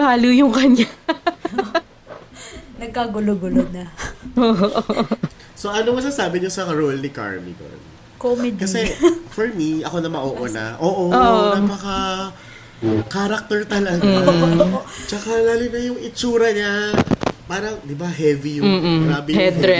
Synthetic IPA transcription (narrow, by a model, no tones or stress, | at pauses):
haːlujʊŋkɐɲa | nɐɡ̚kaɡʊloɡʊlonɐoːʔoʔ | soʔɐnomɐsɐsaːbɪɲosɐɾolnɪka̰ɹmḭt̪o̰n | komɪkɐsɛfɔɹmiʔɐko̞nɐmɐʔoːʔʔonɐ̰ʔoːʔoʔoːʔonapɐkɐ | kaɾɐk̚t̪ɛɹt̪ɐlɐɡː | t͡ʃɐkalaːlɪnɐjʊŋʔɪt͡ʃuːɾɐɲa | paːɾɐŋd̪ɪbaɦɛvijʊm̩ːʔŋɡɾaːbɪhɛd̪ɾɛ